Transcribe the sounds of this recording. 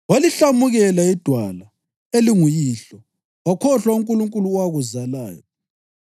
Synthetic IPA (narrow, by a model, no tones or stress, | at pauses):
waliɬamuɣɛlaid̥ʱwala | eliŋujiːɬɔ | wakʰɔɬwauŋkʼuluŋkʼuluwaɣuzala̰ːjɔ